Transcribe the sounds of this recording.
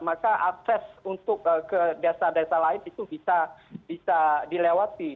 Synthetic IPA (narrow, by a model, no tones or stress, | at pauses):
makaʔak̚sɛsunt̪ʊk̚əkədaasadasalaɪnit̪ubisab̥isadilewat̪i